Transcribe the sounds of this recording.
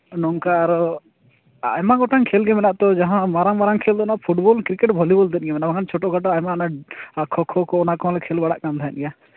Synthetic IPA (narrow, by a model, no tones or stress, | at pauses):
nɔŋkaɾɔ | a̰jmaɡɔʈaŋkʰelɡɛmɛnaʔt̪ɔd͡ʒaɦãmaɾaŋmaɾaŋkʰeld̪ɔnapʰuʈbɔlkɾikeʈbʱɔlibɔld̪ɛt̪̚ˀɡɛmɛnabakʰant͡ʃʰoʈɔɡaʈɔajmanakʰɔkʰɔkɔɔnakɔ̃lɛkʰelbaɽa̰ʔkamt̪ʰaɛ̰nɡja